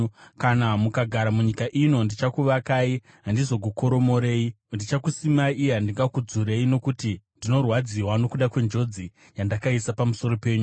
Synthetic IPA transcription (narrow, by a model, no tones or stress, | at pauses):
kanamukaɡʱaɾamuɲikaʔino̞ndit͡ʃakuʋakaːi | ɦandizo̞ɡʱoko̞ɾo̞mo̞ɾeːi | ndit͡ʃakusimaiiɦandiŋɡakud͡zuɾe̞ino̞kutindino̞rwad͡ziwano̞kuɗakwe̞nd͡ʒo̞d͡zi | jandakaisapamuso̞ɾo̞pe̞ːɲu